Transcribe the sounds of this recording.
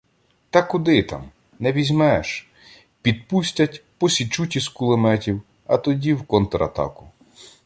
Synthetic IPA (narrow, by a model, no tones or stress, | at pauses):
t̪ɐkʊd̪ɪt̪ɑ̰m | nɛʋʲizʲmɛʃ | pʲid̪̚pusʲtʲɐtʲpɔsʲit͡ʃutʲiskʊlˠɪmɛtʲiw | ɐt̪ɔdʲiwkɔnt̪ɾɐ̰t̪ɑ̰kʊ